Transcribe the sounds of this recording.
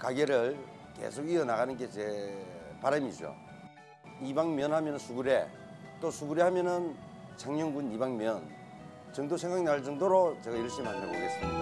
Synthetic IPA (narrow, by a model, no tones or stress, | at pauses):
kaɡeɾɯɭ | ke̞̰sʰoɡiʌnaɣanɯnɡe̞t͡ɕepaɾamid͡ʑo̰ | ibaŋmjʌnɦhamjʌnɯnsʰuɡuɾe̞ | t͈osʰuɡuɾehamjʌnɯn | t͡ɕʰaŋɲoŋɡunibaŋmjʌn | t͡ɕʌŋdosʰeŋɡaŋenaɯɭt͡ɕʌŋdoɾot͡ɕeɡajiɾʌɭɕ͈imandaboɡes͈ɯmida